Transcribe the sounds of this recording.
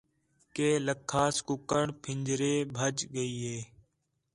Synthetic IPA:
keːləkʰːaːskʊkəɳpʰɪɲd͡ʒɾeːbʱəd͡ʒɡəiːɦeː

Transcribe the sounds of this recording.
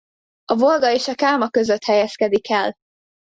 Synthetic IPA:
ɒvo̞lɡɒeːʃɒkaːmɒkø̞zøt̪hɛjɛskɛd̪ikɛl

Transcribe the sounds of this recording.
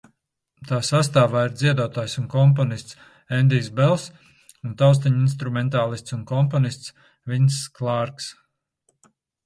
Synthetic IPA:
t̪aːsast̪aːvaːiɾd̪ziɛd̪uɔt̪aːjsunkɔmpɔnist̪s | ɛnd̪isbɛlˠs | unt̪awst̪aɲinst̪ɾumɛnt̪̬aːlˠist̪sunkɔmpɔnist̪s | vinsklˠaɾks

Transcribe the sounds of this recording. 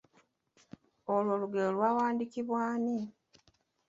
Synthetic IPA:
olwo̞ːluɡeolwaːwaːndikiβwaːni

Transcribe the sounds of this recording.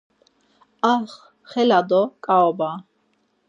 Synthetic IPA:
aχ | χɛlad̪ɔkʼaɔba

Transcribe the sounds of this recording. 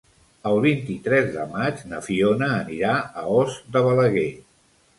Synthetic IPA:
əlˠβint̪it̪ɾɛzðəmad͡ʒnəfionəːniɾaəɔzd̪əβələɣe

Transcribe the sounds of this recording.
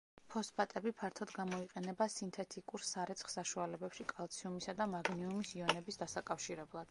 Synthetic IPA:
pʰɔspʰʼat̪ʼɛbipʰaɾt̪ʰɔd̪ɡamɔiqʼɛnɛbasint̪ʰɛt̪ʰikʼuɾsaɾɛt̪sʰχsaʃualɛbɛpʃikʼalˠt̪sʰiumisad̪amaɡniumisiɔnɛbisd̪asakʼafʃiɾɛblˠad̪̥

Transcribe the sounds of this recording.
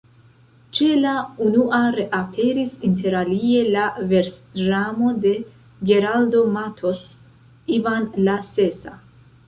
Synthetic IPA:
t͡ʃe̞launuʔaɾe̞ʔapʰe̞ɾisinte̞ɾalie̞lave̞ɾsdɾamo̞de̞ | ɡe̞ɾaldo̞matʰo̞s | ivanlase̞sa̰

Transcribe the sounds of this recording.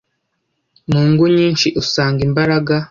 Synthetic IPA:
nuːŋɡuɲiːnʃiʔusaːŋɡimbaɾaɡa

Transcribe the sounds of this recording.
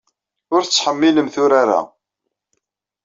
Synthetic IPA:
ʊɾθət͡sːħəmːiləmθʊɾaɾa̰

